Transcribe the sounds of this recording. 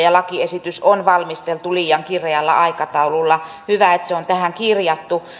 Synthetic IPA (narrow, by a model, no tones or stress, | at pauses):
jɑlɑkiesit̪ysonʋɑlmist̪elt̪uliːjɑŋkireɑlːɑ̰ʔɑikɑt̪ɑululːɑ | hyʋæet̪seont̪æhæŋkirjɑt̪ːu